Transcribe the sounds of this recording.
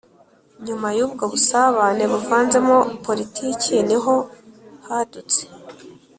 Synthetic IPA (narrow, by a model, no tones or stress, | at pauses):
ɲumajuːb̚ɡaβusaβaːne̞βuvaːnze̞mopo̞ɾitʰiːcʰiniɦo̞hadut͡se̥